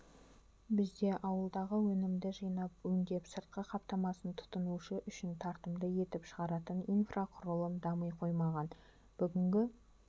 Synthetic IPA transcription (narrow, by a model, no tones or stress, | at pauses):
bɪzd̪e̞ʔɑwəlˠd̪ɑʁəwɵnɪmd̪ɪʒɑjnɑpwɵŋd̪ʲe̞psəɾt̪̚qəqʰɑpt̪ɑmɑsənt̪ʰʊ̥t̪ənuʃɪʔʏʃɪnt̪ʰɑɾt̪əmd̪əje̞t̪ɪpʃəʁɑɾɑt̪ənijnfraqʰʊɾəlˠəmd̪ɑməjqʰo̞jmɑʁɑn | b̥ʏɡʲɪŋɡʲɪ